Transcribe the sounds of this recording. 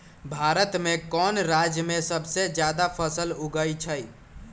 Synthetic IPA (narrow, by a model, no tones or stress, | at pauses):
bʱaɾət̪mekɔnɾad͡ʒjəmesəbʱsed͡ʒjad̪apʰəsəluɡəjt͡ʃʰəj